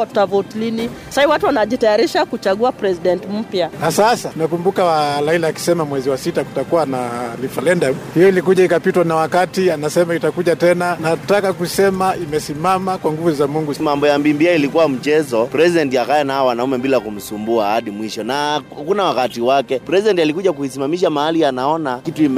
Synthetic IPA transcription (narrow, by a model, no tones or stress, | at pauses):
ḁtavɔtlinisaaiwatuwanaʄitajaɾiʃakut͡ʃaɠuapɾɛsiɗɛntm̩pjaasasatunakumbukalailaːki̥sɛmamwɛziwasitaku̥takuwanalifalɛndamhijɔilikuʄaikapitwanawakatianasɛmaitakuʄatɛnanatakakusɛmaimɛsimamakwaŋɡuvuzamuŋɡumambɔjambimbiailikuwam̩t͡ʃɛzɔpɾɛzidɛntiakajɛnaaɔwanaumɛbilakum̩sumbuahaɗimwiʃɔnahakunawakatiwakɛpɾɛsiɗɛntalikuʄakuisimamiʃamahalianaɔnakituim